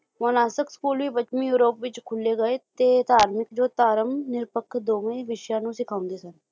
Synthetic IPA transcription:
mənaːsəkskuːlʋiːbət͡ʃmĩjuːɾoːpʋɪt͡ʃkʰʊlːeːɡəeːt̪eːd̪aːɾmɪkd͡ʒoːt̪aːɾəmnɪɾpəkʰːd̪oːməĩʋɪʃjãːnũːsɪkʰaːʊ̃nd̪eːsən

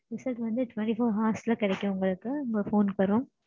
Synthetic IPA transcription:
ɾɪsɐlʈʋɐnd̪ɯʈʋɐɳʈifoːɾɦaːslɐkɪɽɛkʲːʊ̃ʊŋɡɐɭɯkːɯʊŋɡɐfoːnkɐɾʊ̃

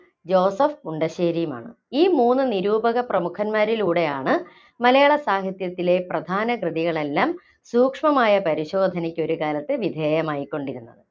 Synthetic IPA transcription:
d͡ʑo̞ːsɐfkuɳɖɐɕeːɾijma̰ːɳɨ | iːmuːnːɨniɾuːbɐɣɐprɐmukʰɐnmaːɾiluːɽe̞jaːɳɨ | mɐlɐjaːɭɐsaːɦɐt̪jɐt̪ːile̞prɐd̪ʱaːnɐkrɨðiɣɐɭe̞lːaːm | suːkʂmɐmaːjɐpɐɾiɕo̞ːd̪ʱɐnikʲːo̞ɾukaːlɐt̪ːɨʋid̪ʱeːjɐmaːjikʲːo̞ɳɖiɾunːɐðɨ

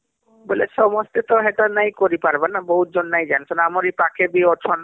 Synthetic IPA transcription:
bolesɔmɔst̪et̪ɔɦetanajkoɾipaɾbanabɔɦut̪̚d͡ʒɔnːajd͡ʒansʰɔnamɔɾejpakʰebiɔt͡ʃʰɔn

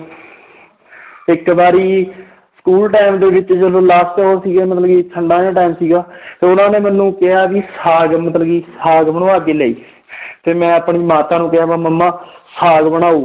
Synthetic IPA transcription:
ɪkbaːɾiː | sə̥kuːlʈaːɪmd̪eːbɪt͡ʃd͡ʒəloːlaːsʈt͡ʃːɦoːsiːɡeːmət̪ləɡiːt͡ʃʰəɳɖaːjãːʈaːɪmsiːɡaːt̪eːʊnãːneːmənːũːkɪɦaːbiːsaːɡmət̪ləɡiːsaːɡbəɳːaːɡeːlɛːḭː | t̪eːmɛ̃ːəpɳiːmaːt̪ãːnũːkɪɦaːʋaməmːãːsaːɡbəɽ̃aːuː

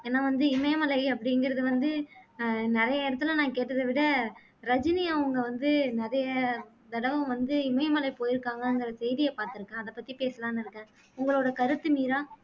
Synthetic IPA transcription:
eːnːaːʋɐnd̪ɯɪmɐjɐmɐlɐɪɐpːɐɽɪŋɡɪɾɐðɯʋɐnd̪ɯ | nɪɾɐjɐɪɽɐt̪ːɯlɐ̃nãːkeːʈːɐðɐʋɪɽɐ | ɾɐd͡ʒɪnɪjaɐŋɡɐʋɐnd̪ɯnɛɾɐjɐ | d̪ɐɽɐʋɐ̃ʋɐnd̪ɯɪmɐjmɐlɐɪpoːjɪɾɯkːaːŋɡɐɯŋɡɪɾɐsɛjðɪjɐpaːɾt̪ɪɾɯkːɛ̃ːɐðɐpːɐt̪ːipeːsɐlaːnɪɾɯkːɛ̃ː | ʊŋɡɐɭoːɽɐkɐɾɯt̪ːɯmiːɾãː

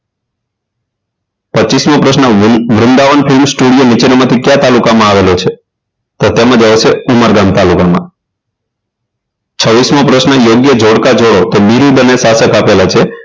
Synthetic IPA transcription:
pətːt͡ʃismõpɾəʃnəʋɾʊnd̪aʋənpʰilmsʈuɽijonit͡ʃenmãt̪ʰikjat̪alukamãaʋelot͡ʃʰe | t̪ot̪jemãd͡ʒaʋsʰeuməɾɡamt̪alukamã̰ | t͡ʃʰəʋːismõpɾəʃnəjoɡjəd͡ʒʱoɽkad͡ʒoɽot̪obiɾid̪ʱənesasəkapelat͡ʃʰe

